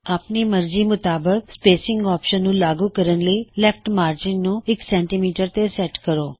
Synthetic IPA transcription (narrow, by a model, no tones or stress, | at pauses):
aːpniːməɾd͡ʒiːmʊt̪aːbək̚speːsɪ̃ŋɡɔːpʃənːũːlaːɡuːkəɾənləiːlɛpʰʈmaːɾd͡ʒɪnːũːɪksɛ̃ːɳʈiːmiːʈəɾt̪esɛːʈkəɾoː